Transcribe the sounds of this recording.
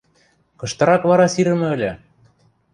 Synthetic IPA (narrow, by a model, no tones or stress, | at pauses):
kɤ̆ʃt̪ɤ̆ɾɑkβɑɾɑsiɾɘ̆mɘ̆ɘ̆lʲɘ̆